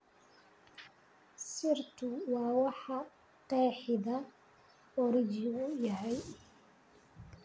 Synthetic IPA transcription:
sɪrt̪ʰʊwɑːwɑħɑ | qɛːħɪðɐ | ɔɾɪt͡ʃɪʊjɐɦɛj

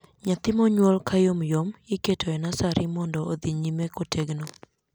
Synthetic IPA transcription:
ɲat̪ɪmɔɲwolkajomjomjɪketʰoɛnasaɾɪmɔndɔːd̪iɲimekotʰeɡno

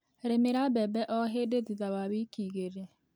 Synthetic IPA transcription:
ɾemeɾabɛbɛʔɔɦedetitaβaβikiːɣeɾe

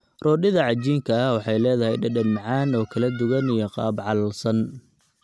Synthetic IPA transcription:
rɔːɖɪðɐʕɑt͡ʃiːŋkʰɐɐwɑħɑjlɛːðɐɦɛ̰jɖɐɖɐnmɑʕɑːnɔːkʰɐlɐd̪ʊɣɐnijɔqɑ̰ːbʕɑlɐlsɐn

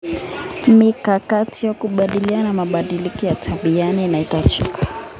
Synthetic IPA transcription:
mikakatijakuɓaɗilianamaɓaɗilikɔjatʰaɓianiːnaitat͡ʃikḁ

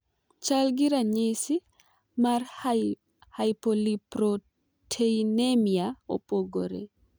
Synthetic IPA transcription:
t͡ʃalɡiɾaɲesi | maɾ | hajpolipɾo | tʰejnemiaɔ̰pʼoɡɔɾɛ̰

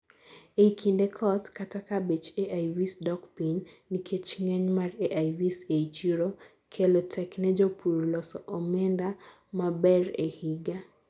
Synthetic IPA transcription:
eikʰindɛkʰɔt̪katakabet͡ʃeʔajvisdɔkpinː | ikʰet͡ʃŋɛɲmareʔajviseit͡ʃiɾo | kʰɛlɔtʰɛknɛd͡ʒopʰuɾlɔsɔʔɔmɛnda | mabɛrehiɡa

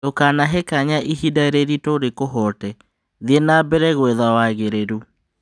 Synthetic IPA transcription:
okanaɦekaɲaʔiɦidaeɾeɾitoɾekoɦɔtɛ | ðienaːbɛɾɛɣwɛðawaɣeɾeɾu

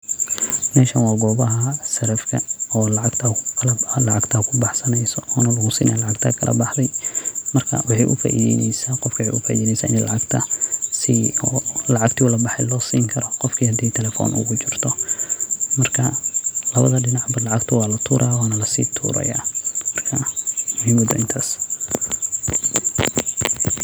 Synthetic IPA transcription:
mɛːʃɐnwɑːɡɔːβɐɦɐsɐɾɐfkʰɐɔːlɑʕɑɡt̪ʰɐlɐlɑʕɑɡt̪ʰɐkʰʊbɑħsɐnɛjsɔɔːnɐlɐɣʊsḭːnʔɐːlɑʕɑɡt̪ʰɐ̰kʰɐlʔɐ̰bɑħd̪ɛjmɐrkʰɐ̰wɑħɑjʔʊfa̰ːʔḭðɛnɛ̰jsaːqɔfkʰwħḭʔʊfaʔiðɛːnɛjsaːʔɪnɛlɑʕɑɡt̪ʰɐsiɔːlɑʕɑɡt̪ʰiʊlɐbɑħɛjlɔːsiːŋkʰɐɾɔqɔfkʰiːhɐd̪iːt̪ʰɛlɛːfɔ̰ːnʔʊ̰ɣʊt͡ʃɪrt̪ʰɔ | mɐrkʰɐlɐβɐðɐɖɪnɑʕbɐlɑʕɑɡt̪ʰɐwɑːlɐt̪ʰuːɾʔaːwaːnɐlɐsḭːt̪ʰṵːɾɐ̰ja̰ːmɐrkʰɐmʊhimɐd̪ɐ̰ʔɪnt̪ʰaːs

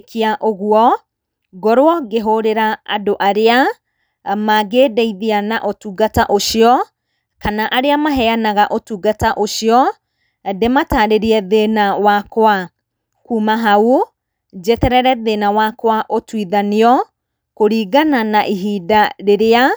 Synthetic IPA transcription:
kiaʔoɣuɔ | ɡɔɾwɔɡeɦoɾeɾaadoʔaɾea | maɡeːdɛiðeanaʔotuɡataʔoɕiɔ | kanaʔaɾeamaɦɛanaɣaʔotuɡataʔoɕiɔ | demataɾeɾiɛðenawakwa | kuːmaɦau | d͡ʒɛtɛɾɛɾɛðenawakwaʔotwiðaniɔ | koɾiːɡananaʔiɦiːdaɾeɾea

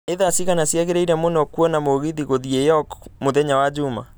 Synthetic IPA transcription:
eðasiɣanasjaɣeɾeiɾɛmonɔkwɔnamoɣiðiɣoðiejɔkmoðɛɲawad͡ʑuma̰

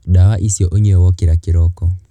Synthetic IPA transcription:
ɗawaʔisiɔʔoɲɛwɔkiɾakiɾɔkɔ

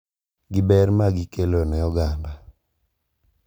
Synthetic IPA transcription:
ɡɪbɛɾmaɡɪkelonɛjɔɡamba

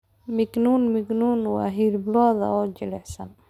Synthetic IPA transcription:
mɪɡnuːnmɪɡnuːnwɑ̰ːɦiɾblɔːðɐ̰ɔːd͡ʒɪlɛħsɐ̰n

